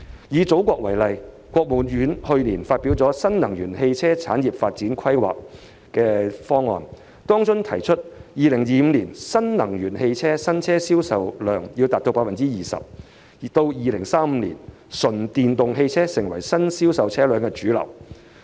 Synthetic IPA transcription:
jiː˨˧t͡so˨˥wkʷɔː˧k̚wɐ˨˩jlɐ˨j | kʷɔː˧k̚muː˨˩njyː˨˧˥nhɵ˧ɥliː˨˩nfaː˧t̚pi˨˥wt͡sɔː˨˥sɐ˥nnɐ˨˩ŋjyː˨˩nhe˧jt͡sʰɛː˥t͡sʰaː˨˥njiː˨˩p̚faː˧t̚t͡siː˨˥nkʰɐ˥jwa̰ː˨k̚ | kɛː˧fɔː˥ŋːɔ̰ː˧n | t̪ɔː˥ŋt͡sʊ˥ŋt̪ʰɐ˨˩jt͡ʃʰɵ˥t̚jiː˨lɪ˨˩ŋjiː˨˧m̩˨˧liː˨˩nsɐ˥nnɐ˨˩ŋjyː˨˩nhe˧jt͡sʰɛː˥sɐ˥nt͡sʰɛː˥siː˥wsɐ˨˧wlœː˨ŋjiː˧wt̪aː˨˩t̪o˧wpaː˧fɐ˨nt͡siː˥jiː˨˩sɐ̰˨p̚ | t̪o˧wjiː˨˧lɪ˨˩ŋsaː˥m̩ː˨˧lḭː˨˩n | sɵ˨˩nt̪iː˨nt̪ʊ˨ŋɦe˧jt͡sʰɛː˥sɪ˨˩ŋwɐ˨˩jsɐ˥nsiː˥wsɐ˨wt͡sʰɛː˥lœː˨˧ŋkɛ˧t͡ʃyː˨˥lɐ̰˨˩w

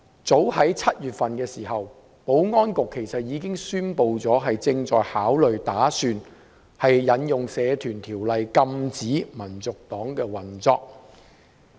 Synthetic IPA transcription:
t͡so˨˥whɐ˨˥jt͡sʰɐ˥t̚jyː˨t̚fɐ˨nkɛː˧siː˨˩ɦɐ˨w | po˨˥wŋɔː˥nkʊ˨kʰːe˨˩jsɐ˨t̚jiː˨˧kɪ˥ŋsyː˥npo˧wt͡sɔː˨˥ɦɐ˨jt͡sɪ˧ŋt͡sɔ̰ː˨jhaː˨˥wlɵ˨ɥt̪aː˨˥syː˧n | hɐ˨jːɐ˨˧njʊ˨ŋsɛː˨˧t̪ʰyː˨˩nt̪ʰiː˨˩wlɐ˨jkɐ˧mt͡siː˨˥mɐ˨˩nt͡sʊ˨k̚t̪ɔː˨˥ŋkɛː˧wɐ˨nt͡sɔː˧k̚

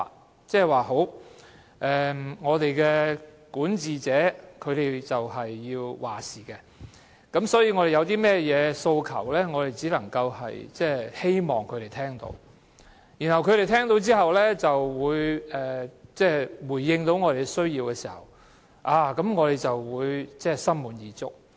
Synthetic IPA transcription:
t͡sɛː˥˩waː˨˩ɦo˨˥w | ʔɛː˨ŋɔː˨˧t̪e˨jkɛː˧kuː˨˥nt͡siː˨t͡sɛː˨˥kʰɵ˨˧ɥt̪e˨jt͡sɐ˨wɦɐ˨jːiː˧wwaː˨˩siː˨˩kɛ˧ | kɐ˨˥msɔː˨˥jiː˧ŋɔː˨˧ɾe˨jɐ˨˧wt̪iː˥mɛː˥jɛː˨˧so˧wkʰɐ̰˨˩wlɛː˥ŋɔː˨˧ɾe˨jt͡siː˨˥lɐ˨˩ŋkɐ˧whɐ̰˨jt͡sɛː˥he˥jmɔː˨˩ŋkʰɵ˨˧t̪e˨jt̪ʰɛː˥ŋt̪o̰˧w | jiː˨˩nhɐ˨wkʰɵ˨˧ɾe˨˩jt̪ʰɛː˥ŋt̪o˧wt͡siː˥ɦɐ˨wlɛː˥t͡sɐ˨wːuː˨˧jɛː˨˩t͡sɛː˥˩wuː˨˩jːɪ˧ŋt̪o˨˥wŋɔ˨˧ɾe˨jsɵ˥ɥjiː˧wkɛː˧siː˨˩hɐ̰˨˩w | ʔaː˨˩kɐ˨˥mŋɔː˨˧ɾe˨˩jt͡sɐ˨wwuː˨˧jt͡sɛː˥˨sɐ˥nmuː˨˧njiː˨˧t͡sʊ̰˥k̚

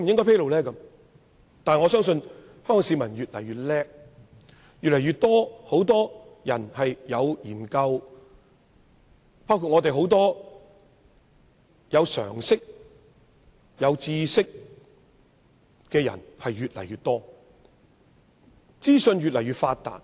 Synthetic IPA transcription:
e˧m˨jɪ˥ŋkɔː˥pʰe˥jlo˨˧wlɛː˥kɐ˧˥m | t̪aː˨n˨ŋɔː˨˧sœː˥ŋsɵ˧n | hœ˥ŋkɔː˨˩ŋsiː˨˥mɐ˨˩nɥyː˨t̚lɐ˨˩jɥyː˨t̚lɛː˥k̚ | jyː˨lɐ˨˩jɥyː˨t̪ɔː˥ho˨˥wt̪ɔː˥jɐ˨˩nhɐ˨jjɐ˨˧wjiː˨˩nkɐ˧w | paː˥wkʰu˧t̚ŋɔː˨˧t̪e˨jɦo˨˥wt̪ɔː˥ | jɐ˨˧wsœ̰ː˨˩ŋsɪ˥k̚ | jɐ˨˧wt͡siː˧sɪ˥k̚ | kɛː˧jɐ̰˨˩nhɐ˨jɥyː˨t̚lɐ˨˩jɥyː˨t̚t̪ɔː˥ | t͡siː˥sɵ˧nɥyː˨t̚lɐ˨˩jɥyː˨˩t̚faː˧t̚t̪a̰ː˨n̚

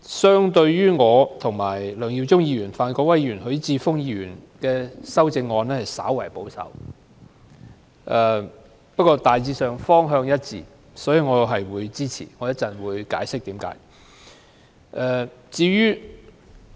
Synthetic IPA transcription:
sœː˥ŋt̪ɵ˧ɥjyː˥ŋɔː˨˧t̪ʰʊ˨˩ŋmaː˨˩jlœː˨˩ŋji˧wt͡sʊ˥ŋjiː˧ɥyː˨˩nfaː˨˧nkɔː˧˥wɐ˥jːyː˨˩nɦɵ˨˧˥ɥt͡siː˧fʊ˥ŋjiː˧ɥyː˨˩nkɛː˧sɐ˥wt͡sɪ˧ŋːɔː˨˧nɛː˥hɐ˨jsa̰ː˨˥wɐ˨˩jpo˨˥wsɐ̰˨˥w | ʔɛː˨˩ | pɐ˥kɔː˧t̪aː˨jt͡siː˧sœː˨ŋfɔː˥ŋɦœː˧ŋjɐ˥t̚t͡sḭː˧˩ | sɔː˨˥jiː˨˧ŋɔː˨˧ɦɐ˨jwuː˨˧jt͡siː˥t͡sʰḭː˨˩ŋɔː˨˦jɐ˥t͡sɐ˨˩nwuː˨˧jkaː˨˥jsɪ˥k̚t̪iː˨˥mka̰ː˨˥j | ʔɛː˨˩t͡siː˨˧ɥyː˥

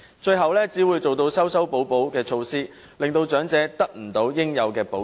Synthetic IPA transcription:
t͡ʃɵ˧ɥɦɐ˨wlɛː˥t͡siː˨˥wuː˨˧jt͡so˨wt̪o˧wsɐ˥wsɐ˥wpo˨˥wpo˨˥wkɛː˧t͡ʃʰo˧wsiː˥ | lɪ˨ŋt̪o˧wt͡ʃœː˨˥ŋt͡sɛː˨˥t̪ɐ˥k̚m̩˨˩t̪o˨˧wjɪ˥ŋjɐ˨˧wkɛː˧po˨˥

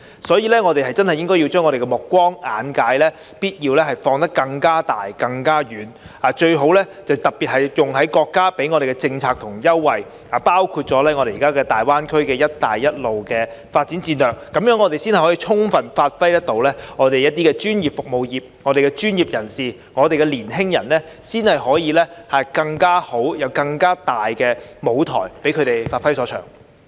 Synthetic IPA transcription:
sɔː˨˥jiː˧lɛː˥ŋɔ˨˧t̪e˨jɦɐ˨˩jt͡sɐ˥nhɐ˨jɪ˥ŋkɔː˥ji˧wt͡ʃœː˥ŋːɔ˨˧ɾe˨˩kɛ˧mʊ˨˩kːʷɔː˥ŋaː˨˥nkaː˨˥jlɛː˥ | piː˥t̚jiː˧wlɛː˥ɦɐ˨˩jfɔː˧ŋt̪ɐ˥kːɐ˧ŋkaː˥t̪aː˨jkɐ˧ŋkaː˥jyː˨˥n | aː˨˧˩t͡ʃɵ˧ɥɦo˨˥wlɛː˥t͡sɐ˨˩wt̪ɐ˨˩k̚pi˨t̚hɐ˨jjʊ˨ŋɦɐ˨˥jkɔː˧kːaː˥pe˨˥jŋɔː˨˧ɾe˨jkɛ˧t͡sɪ˧ŋt͡sʰaː˧k̚t̪ʰʊ˨˩ŋjɐ˥wːɐ˨j | aː˨˩paː˥wkʰuː˧t̚t͡sɔː˨˥lɛː˥ŋɔː˨˧ɾe˨jiː˨kaː˥kɛː˧t̪aː˨jwaː˥nkʰɵ˥ɥkɛː˧jɐ˥t̚t̪aː˨jːɐ˥t̚lo˨wkɛː˧faː˧t̚t͡si˨˥nt͡siː˧nlœː˨k̚ːɐ˨˦mjœː˨˥ŋːɔ˨˧t̪e˨jsiː˥nhjhɔː˨˥jiː˨˧t͡ʃʰʊ˥ŋfɐ˨nfaː˧t̚fɐ˥jt̪ɐ˥t̚t̪o˨˥wlɛː˥ŋɔː˨˧ɾe˨jɐ˥t̚t̪iː˥kɛː˧t͡ʃyː˥njiː˨p̚fʊ˨k̚mo˨wjiː˨p̚ŋɔː˨˧ɾe˨jkɛ˧t͡ʃyː˥njiː˨p̚jɐ˨˩nsiː˨ | ŋɔː˨˧ɾe˨jkɛ˧liː˨˩nɦɪ˥ŋjɐ˨˩nlɛː˥ | siː˥nhɐ˨jɦɔː˨˥jiː˨˧lɛː˥hɐ˨kɐ˧ŋkaː˥ho˨˥wjɐ˨˧wkɐ˧ŋkaː˥t̪aː˨jkɛː˧mo˨˧wt̪ʰɔ̰ː˨˩jpe˨˥jkʰɵ˨˧ɥt̪e˨jfaː˧tfɐ˥jsɔː˨˥t͡ʃʰœ̰ː˨˩ŋ

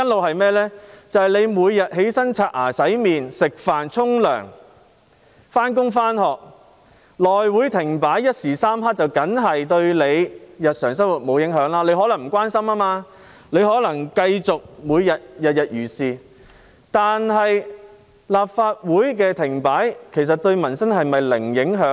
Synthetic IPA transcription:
jɐ˥nlo˨˧wɦɐ˨jmɛː˥lɛː˥t͡sɐ˨whɐ˨jle˨˧jmuː˨˧jːɐ˨t̚ɦe˨˥jsɐ˥ŋt͡sʰaː˧t̚ʔaː˨˩sɐ˨˥jmiː˨nsɪ˨k̚faː˨nt͡sʰʊ˥ŋlœ̰ː˨˩ŋ | faː˥nkʊ˥ŋfaː˥nɦɔː˨k̚ | lɔː˨jwuː˨˥jt̪ʰɪ˨˩ŋpaː˨˥jːɐ˥t̚siː˨˩saː˥mɦaː˥k̚t͡sɐ˨wkɐ˨˥nɦɐ˨jt̪ɵ˧ɥle˨˧jjɐ˨t̚sœː˨˩ŋsɐ˥wu˨t̚mo˨˧wjɪ˨˥ŋɦœː˨˥ŋlaː˥le˨˧jɦɔ˨˥lɐ˨˩ŋm̩˨˩kwaː˥nsɐ˥maː˥maː˧ | le˨˧jɦɔː˨˥lɐ˨˩ŋkɐ˧jt͡sʊ˨k̚muː˨˧jːɐ˨t̚jɐ˨t̚jɐ˨t̚jyː˨˩siː˨ | t̪aː˨nɦɐ˨j | laː˨p̚faː˧t̚wuː˨˥jk̬ɛː˧t̪ʰɪ˨˩ŋpaː˨˥jkʰe˨˩js̬ɐ˨t̚t̪ɵ˧ɥmɐ˨˩nsɐ˥nɦɐ˨jmɐ˨jlɪ˨˩ŋjɪ˨˥ŋɦœː˨˥ŋ

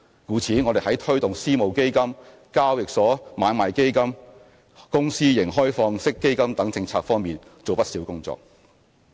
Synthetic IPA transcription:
kuː˨˥t͡sʰiː˨˥nŋɔː˨˧d̪e˨jhɐ˨˥jt̪ʰɵ˥ɥt̪ʊ˨ŋsiː˥mo˨˩wke˥jkɐ˥m | kaː˥wjɪ˨k̚sɔː˨˥maː˨˧nmaː˨˩jke˥jkɐ˥m | kʊ˥ŋsiː˥jɪ˨˩ŋɦɔː˥jfɔː˧ŋsɪ˥kːe˥jkɐ˥mt̪ɐ˨˥ŋt͡sɪ˧ŋt͡sʰaː˧k̚fɔː˥ŋmiː˨nt͡so˨wpɐ˥t̚siː˨˥wkʊ˥ŋt͡sɔ̰ː˨k̚

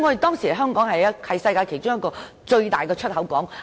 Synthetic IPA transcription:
ŋɔː˨˧e˨jt̪ɔː˥ŋsiː˨˩hɐ˨˩ɦœː˥ŋkɔː˨˥ŋhɐ˨jɐ˥hɐ˨jsɐ˧jkaː˧jkʰe˨˩t͡ʃʊ˥ŋjɐ˥t̚kːɔː˧ | t͡ʃɵ˧ɥt̪aː˨˩jkɛː˧t͡ʃʰɵ˥t̚ɦɐ˨˥wkɔː˨˥ŋ

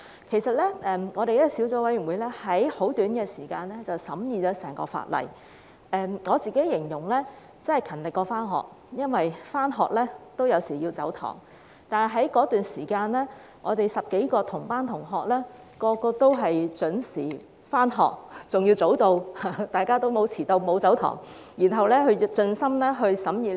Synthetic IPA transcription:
kʰe˨˩jsɐ˨t̚lɛ˥ʔɛː˨˧mŋɔː˨˧ɾe˨jsi˨˥wt͡sɔː˨˥wɐ˨˥jɥyː˨˩nwuː˨˧jlɛː˥hɐ˨˥jho˨˥wt̪yː˨˥nɡɛː˧siː˨˩kaː˧nlɛː˥t͡sɐ˨wsɐ˨˥mjiː˨˧t͡sɔː˨˧˥sɛː˨˩ŋkɔ̰ː˧fa̰ː˧˩t̚lɐ̰˨˩j | ʔɛː˨mŋɔː˨˧t͡siː˨˩ke˨˥jɪ˨˩ŋjʊ˨˩ŋlɛː˥ | t͡sɐ˥nhɐ˨˩jkʰɐ˨˩nlɪ˨kːɔː˧faː˥nɦɔ̰ː˨˩k̚ | jɐ˥nwɐ˨jfaː˥nɦɔː˨k̚lɛː˥t̪o˥wjɐ˨˧wsiː˨˩ji˧wt͡sɐ˨˥wt̪ʰɔ̰ː˨˩ŋ | t̪aː˨n˩ɦɐ˨˥jkɔː˨˥t̪yː˨˩nsiː˨˩kaː˧nlɛː˥ | ŋɔː˨˧t̪e˨jsɐ˨p̚ke˨˥jkɔː˧t̪ʰʊ˨˩ŋpaː˥nt̪ʰʊ˨˩ŋɦɔː˨k̚lɛː˥ | kɔː˧kɔː˧t̪o˥wɦɐ˨jt͡ʃɵ˨˥nsiː˨˩ | faː˥nɦɔ̰ː˨k̚t͡sʊ˨ŋjiː˧wt͡so˨˥wt̪o˧whaː˧˥t̪aː˨jkaː˥t̪o˥wmo˨˧wt͡sʰiː˨˩t̪o˧wmo˨˧wt͡sɐ˨˥wt̪ʰɔ̰ː˨˩ŋ | jiː˨˩nɦɐ˨wlɛː˥ɦɵ˧ɥt͡ʃɵ˧nsɐ˥mlɛː˥ɦɵ˧ɥsɐ˨˥mjiː˨˩

